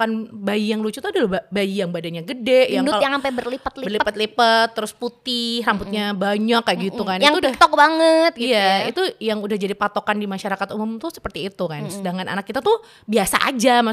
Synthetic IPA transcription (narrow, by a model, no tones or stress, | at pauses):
kanbajijaŋlut͡ʃut̪adalabajijaŋbadanjaɡədɛjadutaljaŋampabərlipət̪librlippət̪lipət̪ːəɾʊsput̪ɪhrampʊt̪̚ɲabaɲakːaɡit̪ukanijaŋudak̚t̪ɔk̚baŋət̪̚ɡijait̪ujaŋudahd͡ʒadipat̪okandimaʃaɾakat̪umʊmt̪ʊsə̥pərt̪iːt̪ukansədaŋana̰nak̚ːit̪at̪u | biasa̰ʔa̰d͡ʒama